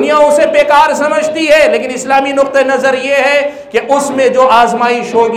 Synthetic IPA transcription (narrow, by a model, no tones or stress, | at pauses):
nijaõsepeːkaːɾsɐməd͡ʒt̪iɦɛːleːkɪ̃nɪslaːminʊk̚t̪enɐzəɾjeɦɛ | keʔʊsmẽd͡ʒoːʔaːzmaːiʃɦoːɡ